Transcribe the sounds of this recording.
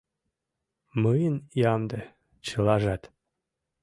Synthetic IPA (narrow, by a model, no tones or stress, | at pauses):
məjənjɑmd̪ə | t͡ɕə̆lɑʒɑt̪